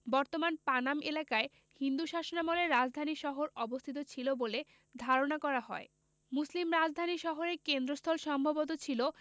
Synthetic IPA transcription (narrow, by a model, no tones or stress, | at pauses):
bɔɾt̪omanpanamelakae | hind̪uʃaʃonamoleɾːad͡ʑd̪ʱaniʃɔɦoɾɔbost̪ʰit̪ot͡ɕʰilobole | d̪ʱaɾonakɔɾaɦɔe | muslimɾad͡ʑd̪ʱaniʃɔɦoɾekend̪ɾost̪ʰɔlʃɔmbʱabot̪̬ot͡ɕʰilo